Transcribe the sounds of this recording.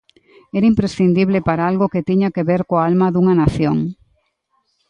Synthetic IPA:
eɾaimpɾesθind̪iβlepaɾaalɣoket̪iɲakeβeɾkoaalmɐðuŋɐnaθjoŋ

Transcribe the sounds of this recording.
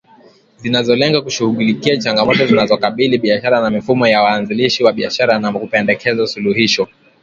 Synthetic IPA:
zinazɔlɛŋɡakuʃuhuɠulikiat͡ʃaŋɡamɔtɔzinazɔkaɓiliɓiaʃaɾanamifumɔjawaːnziliʃiwaɓiaʃaɾanakupɛndɛkɛzasuluhiʃɔ

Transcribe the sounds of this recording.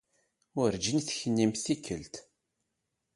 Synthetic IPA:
ʊɾd͡ʒinθçənːimθikːəlt̪

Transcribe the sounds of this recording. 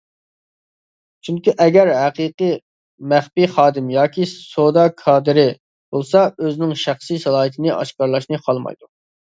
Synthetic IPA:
t͡ʃʰyŋkʲiʔɛɡʲæɾɦæqiːqɨ | mæχpiχɑːd̪ɪmjɑːkʲʰisod̪ɑkʰɑːd̪ɪɾɪ | b̥olˠsɑøzɪnɪŋʃæχsijsɛlˠɑːɦɨt̪ʰɪnɪʔɑ̰ʃkɑɾlˠɑʃnɨqʰɑlˠmɑ̰jd̪u

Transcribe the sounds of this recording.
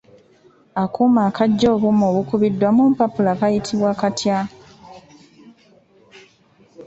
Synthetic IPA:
akumaːkaɟːoːβumoːβukuβidːwamuːmpapulakajitʰiβwakatja

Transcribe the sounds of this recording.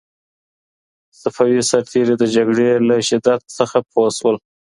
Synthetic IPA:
safawisaɾt̪ʰeɾed̪əd͡ʒaɡɽelaʃɪd̪at̪̚səxapʰoswəl

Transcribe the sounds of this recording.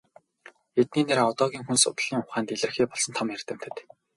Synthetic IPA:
et̪̚niːneɾɔt̪ɔːɣʲiːŋxunsʊ̰t̪̆ɮ̥iːŋʊχaːnt̪eɮɘ̆rxiːpɔɮsɞ̆nt̪ʰɔmjær̥ʲt̪ə̆m̥t̪ʰɘ̆t̪

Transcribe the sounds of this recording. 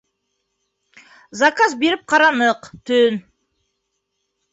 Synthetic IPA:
zɑkɑzbe̞ɾɪp̚qʰɑɾɑnəqt̪ʰɵn

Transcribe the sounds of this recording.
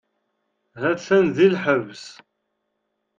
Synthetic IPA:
ɦæθænðilħəvs

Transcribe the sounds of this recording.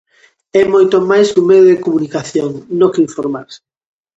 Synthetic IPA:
ɛmojt̪omajsumɛðoðekomunikaθjoŋnokeiɱfoɾmaɾsɪ̥

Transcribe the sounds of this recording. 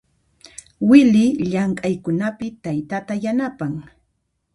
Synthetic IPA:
wɪlɪʎaŋkʼajkʊnapɪt̪ajt̪at̪ajanapaŋ

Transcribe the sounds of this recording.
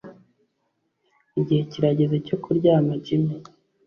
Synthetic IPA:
iɟihe̞ciɾaɟezeco̞kuɾɟamaɟime

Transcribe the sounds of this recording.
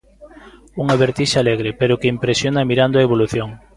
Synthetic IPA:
uŋaβeɾt̪iʃaaleɣɾɪpeɾʊkeimpɾesjonamiɾand̪oaeβoluθjoŋ

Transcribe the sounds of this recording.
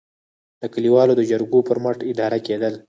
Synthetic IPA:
d̪̥əkəliwɑlod̪əd͡ʒaɾɡopəɾmaʈɪd̪ɑɾaked̪əl

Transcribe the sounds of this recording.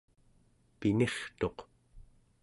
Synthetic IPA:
pine̞χt̪o̞q

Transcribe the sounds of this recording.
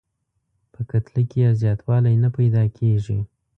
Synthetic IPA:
pəkat̪likejazjɑt̪wɑlajnapajd̪ɑkʰeʐḭ

